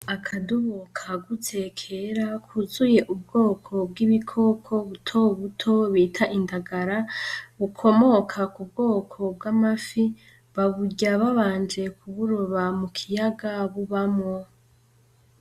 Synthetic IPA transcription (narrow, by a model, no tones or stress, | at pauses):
akʰaduβokʰaɡutʰe̞kʰeɾakʰuzuje̞ʔub̚ɡo̞ːkʰo̞b̚ɡiβikʰo̞kʰo̞βutʰo̞βutʰo̞βiːtʰaʔindaɡaɾaβukʰo̞mo̞kʰakubɡo̞ːkʰo̞bɡamafi | βaβuɟaβaβaːnd͡ʒe̞kʰuβuɾoβamukʰijaɡaβuβamŋo̞